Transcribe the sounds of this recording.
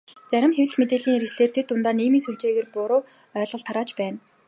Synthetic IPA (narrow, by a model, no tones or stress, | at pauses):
t͡sæɾʲɪ̆mxewʲɘ̆ɮmet̪eːɮiːŋiɾɘ̆sɮeːr̥t͡ɕ̪ʰĕt̪ʊnt̪aːniːmiːnsuɮt͡ɕeːɣeːrpʊɾʊː | œːɮʁə̆ɮt̪ʰaɾaːt͡ɕpæːn